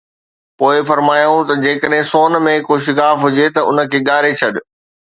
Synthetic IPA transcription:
poːɪfɐɾmaːjũt̪ɐd͡ʑeːkəɗɦɪ̃soːnmẽkoʃ̬ɪkaːfɦʊd͡ʑet̪ɐʊnə̆kʰeːɠaːɾet͡ɕʰɐɗɪ̆

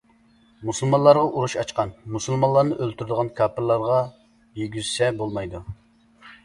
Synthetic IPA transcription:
musulˠmɑnlˠɑɾʁɑʔuɾuʃɑt͡ʃqɑnmusulˠmɑnlˠɑɾnɨʔølt̪ʰyɾd̪əʁɑnkʰɑːpʰɨɾlˠɑɾʁɑ | jeɡʲyzsɛbolˠmɑjd̪u

